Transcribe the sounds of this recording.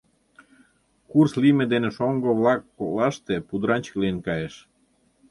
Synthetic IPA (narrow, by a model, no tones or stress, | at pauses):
kurslimed̪enĕʃoŋɡoβlɑkːolɑʃt̪epud̪ɾɑnʲt͡ɕə̥klenkɑjeʃ